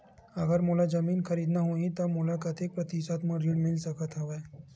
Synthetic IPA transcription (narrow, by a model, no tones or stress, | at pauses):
ɐɡəɾmoːlad͡ʒɐmiːnxʰɐɾiːd̪naɦoĩt̪ɐmoːlakat̪jeːk̚pɾɐt̪isat̪mãɾiːɖmɪlsɐkət̪ɦoʋeː